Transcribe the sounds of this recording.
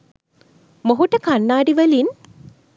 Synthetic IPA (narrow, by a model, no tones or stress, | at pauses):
moɦuʈəkanːaːɖiʋɐlin